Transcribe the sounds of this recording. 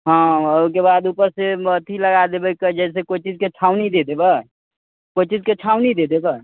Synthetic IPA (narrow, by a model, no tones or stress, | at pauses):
ɦãkebad̪upəɾseət̪ʰiləɡad̪ebəkːəd͡ʒɛs̬ekoit͡ʃid͡ʒket͡ʃʰawnid̪ed̪ebə | kojt͡ʃid͡ʒket͡ʃʰaũnid̪ed̪ebə